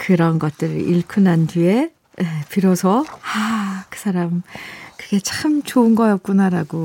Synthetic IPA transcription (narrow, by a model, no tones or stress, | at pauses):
kɯɾʌnɡʌt̚t͈ɯɾɯiɭkʰunantie | epiɾʌsʰʌakɯ̥sʰaɾamkɯɡe̞t͡ɕaɯmt͡ɕoɯnɡʌjʌp̚k͈unaɾaɡo